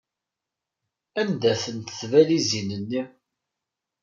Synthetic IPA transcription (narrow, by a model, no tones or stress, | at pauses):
ænd̪æθənt̪θvælizinənːi